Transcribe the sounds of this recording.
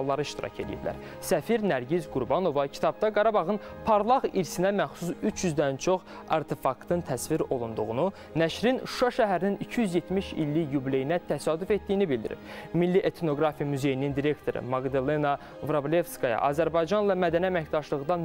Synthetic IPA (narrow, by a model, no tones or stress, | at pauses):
lˠːɑɾɯiʃt̪iɾɑ̰cʰelḭjiblæ̰ɾ | sæfiɾnæɾɟizɡuɾbɑno̞vɑcʰi̥t̪ʰɑb̚d̪ɑɡɑɾɑbɑɣɯnpʰɑɾlˠɑɣiɾsinæmæxsusyt͡ʃʰjyzd̪ænt͡ʃʰo̞χ | ɑ̰ɾt̪ʰe̞fɑkt̪ʰɯnt̪ʰæsviɾo̞lˠund̪uɣunu | næʃɾinʃu̥ʃɑʃæɦæɾininicʰijyzje̞t̪miʃḭlːijuble̞jinæt̪ʰæsɑːd̪yfe̞t̪̚d̪ijinibild̪iɾḭpmilːiʔet̪ʰno̞ɡɾɑfijɑmyze̞jinind̪iɾe̞kt̪ʰo̞ɾɯ̰mɑɡd̪elˠenɑ | vɾoblʲe̞fskɑjɑ̰ʔɑ̰ːzæɾbɑjd͡ʒɑnlˠɑmæd̪æniæmæçd̪ɑʃlˠɯɣd̪ɑn